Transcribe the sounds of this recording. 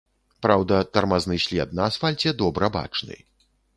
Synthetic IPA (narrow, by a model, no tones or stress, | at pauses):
pɾawd̪ɐt̪ɐrmaznɨsʲlʲɛt̪̚nɐːsfalʲt͡sʲɛd̪ɔbɾɐba̰t͡ʂnɨ̰